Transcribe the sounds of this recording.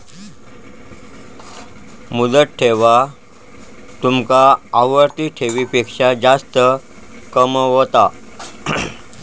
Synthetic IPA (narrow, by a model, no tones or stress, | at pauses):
mud̪ət̪̚ʈʰeʋa | t̪umkaːʋəɾt̪iʈʰeʋiːpekʂad͡zast̪ə | kəmɦot̪a